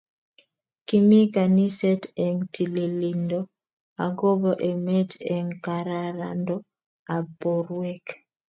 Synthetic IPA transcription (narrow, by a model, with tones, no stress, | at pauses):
ki˦mi˦ka˨ni˦sɛ˦tɛ˨ŋtʰi˨le˨li˨ndo | a˨ɡo˦bɔ˦ʔe˨mɛ˦tɛ˨ŋka˨ɾa˨ɾa̰˨ndɔ˦ | a˨poɾwɛ˦k